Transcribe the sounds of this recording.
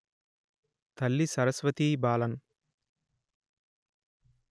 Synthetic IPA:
t̪ɐlːisɐɾɐsʋɐt̪iːbaːlɐn

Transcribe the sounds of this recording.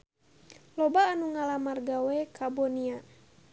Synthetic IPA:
lɔbaːnuŋalamarɡawɛkabɔnia

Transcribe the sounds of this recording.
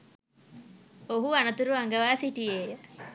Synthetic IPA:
oɦuanɐt̪uɾuaŋɡɐʋaːsiʈijeːjə

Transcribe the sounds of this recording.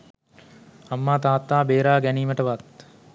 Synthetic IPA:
ɐmːaːt̪aːt̪ːaːbeːɾaːɡæniːməʈəʋat̪

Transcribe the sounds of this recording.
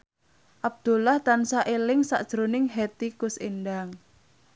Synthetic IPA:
ʔab̚d̪̥ṳlaht̪ansaʔelɪŋsa̰ʔd̥ʒ̥ɾonɪŋɦet̪ikʊsenɖaŋ

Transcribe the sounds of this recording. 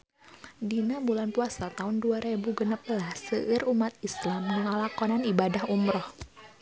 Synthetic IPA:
dinabulanpuasat̪aʊnduaɾebuɡənəp̚lahsəʔərumat̪̚islamdəŋalakɔnanibadahumɾɔh

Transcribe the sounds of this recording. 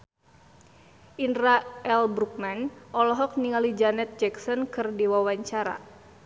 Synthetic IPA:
ʔinraɛlbɾuk̚manʔɔlɔɦɔk̚niŋalid͡ʒanɛt̪̚d͡ʒɛksɔnkɨrdiwawaɲt͡ʃaɾa̰

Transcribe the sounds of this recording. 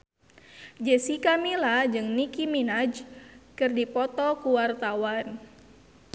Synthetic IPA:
d͡ʒəsikamilad͡ʒɨŋnikiminad͡ʒkɨrdipɔt̪ɔkuwart̪awan

